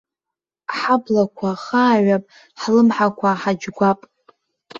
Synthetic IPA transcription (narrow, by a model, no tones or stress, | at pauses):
ħablakʷʰaχaːɥapʼ | ħlɨmħakʷʰaħad͡ʒɡʷapʼ